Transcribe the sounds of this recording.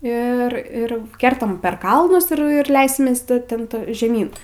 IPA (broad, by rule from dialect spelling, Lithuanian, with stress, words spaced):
ɪr ˈɪr ˈkʲɛrtɐm pʲɛr ˈkɐlˠnʊs ɪr ɪr ˈlʲɛɪsʲɪmʲeːs tʲɪ tʲɛn ˈtoː ʒʲɛˈmʲiːn